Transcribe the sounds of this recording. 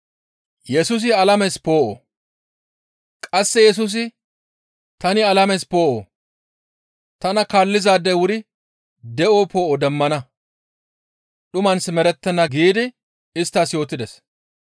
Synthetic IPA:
jɛsʊs̬ɪɐlɐmɛspo̞ːʔo̰ | kʼɐsːɛjɛs̬ʊs̬ɪ | t̪ɐnɪɐlɐmɛspo̞ːʔo̰ː | t̪ɐnɐkaːlːɪzaːd̪ːɛwʊɾɪ | d̪ɛʔoːpʰo̞ːʔɔd̪ɛmːɐnɐ | ɗʊmɐnsɪmɛɾɛt̪ːɛnːɐɡiːd̪ɪ | ɪst̪ːaːsjo̞ːt̪ːɪd̪ɛs

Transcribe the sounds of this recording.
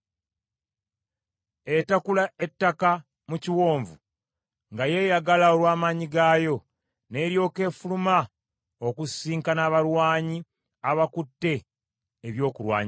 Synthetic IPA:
e̞takulae̞tːaka | muciwo̞ːɱvu | ŋɡaje̞ːjaɡalao̞lwaːmaɲiɡajo̞ | ne̞ːɾjo̞ːke̞ːfuluma | o̞kusiːŋkanaβaɾwaːɲi | aβakutːe̞ː | βjo̞ːkulwa̰ːɲ

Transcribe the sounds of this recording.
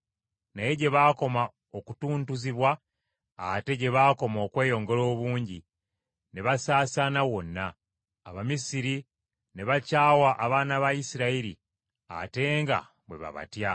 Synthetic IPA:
naje̞ɟe̞βaːko̞ma | oku̥tuːntuziβwa | ate̞ɟe̞βaːko̞mo̞ːkwe̞ːjo̞ːŋɡe̞lo̞ːβuːɲɟi | ne̞βasaːsanawo̞nːaː | βamisiɾi | ne̞βacaːwaʔaβaːnaβajisiɾaiɾi | a̰te̞ːŋɡa̰ | βwe̞̰βa̰βa̰tja

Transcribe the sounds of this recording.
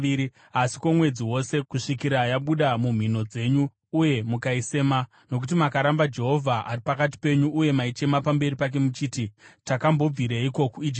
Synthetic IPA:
iɾi | asi̥ko̞mwe̞d͡ziwo̞se̞kuʂikiɾajaɓuɗamum̤ino̞d͡ze̞ɲuː | je̞mukaise̞ma | no̞kut̬imakaɾambad͡ʒe̞ɦo̞vʱaaripakat̬i̥pe̞ɲuʔːje̞mait͡ʃe̞mapambe̞ɾipak̬e̞mut͡ʃiːtitakambob͡viɾeiko̞kuid͡ʒi

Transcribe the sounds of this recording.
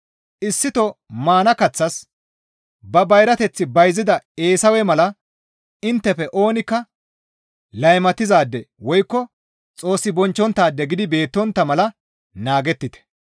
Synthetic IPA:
ʔɪsːɪt̪ɔmaːnɐkɐt͡sːɐs | bɐbɐjɾɐt̪ɛt͡sːɪbɐjzɪd̪ɐe̞ːsɐwɛmɐlɐ | ɪnt̪ːɛfɛʔo̞ːnɪkːɐ | lɐjmɐt̪ːɪzaːd̪ːɛwɔjkːɔ | t͡sʼo̞ːsːɪbɔnt͡ʃːɔnt̪ːaːd̪ːɛɡɪd̪ɪbe̞ːt̪ːɔnt̪ːɐmɐlɐ | naːɡɛt̪ːɪt̪ɛ̥

